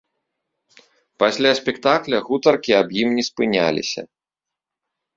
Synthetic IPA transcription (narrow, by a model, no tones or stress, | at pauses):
pasʲlʲasʲpʲɛkt̪aklʲɐɣut̪ɐrkʲiabjimnʲɛspɨnʲa̰lʲḭsʲɐ̰